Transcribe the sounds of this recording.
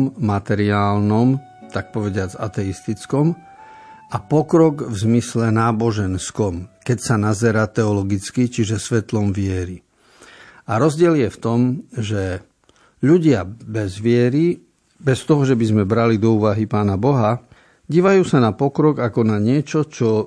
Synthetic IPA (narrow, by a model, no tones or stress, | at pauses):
mmat̪ɛɾiaːlnɔm | t̪ak̚pɔʋɛɟɪad͡za̰t̪ɛist̪it͡skɔm | apɔkɾɔɡvzmislɛnaːbɔʒɛnskɔmkɛcsanazɛɾaːt̪ɛɔlɔɡit͡skit͡ʃiʒɛsʋɛt̪lɔmʋɪɛɾi | aɾɔzɟɪɛljɛft̪ɔmʒɛ | ʎuɟɪabɛzʋɪɛɾi | bɛst̪ɔɦɔʒɛbizmɛbɾalid̪ɔuːʋaɦipaːnabɔɦa | ɟiːʋajuːsanapɔkɾɔɡakɔnaɲɪɛt͡ʃɔt͡ʃɔ